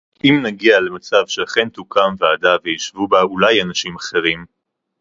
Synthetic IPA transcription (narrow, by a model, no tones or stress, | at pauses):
ʔimnaɡiale̞mat͡savʃeaχent̪ukʰamveadavejiʃvubaulajanaʃimaχe̞ʁim